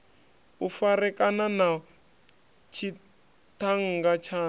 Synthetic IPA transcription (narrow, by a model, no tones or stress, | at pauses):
ufarɛkanana | t͡ʃʰi | tʰaŋ̩ŋɡat͡ʃʰaː